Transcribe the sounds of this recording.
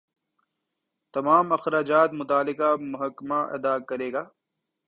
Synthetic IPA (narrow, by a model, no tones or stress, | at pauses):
t̪ɐmaːmɐxɾaːd͡ʒaːt̪mʊt̪aːlɪkamʊɦɐkːmaʔɐ̰d̪aːkɐɾeːɡaː